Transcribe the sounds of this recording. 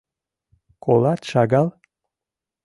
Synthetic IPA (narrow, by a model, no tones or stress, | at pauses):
kʰolɑt̪ʃɑɣɑl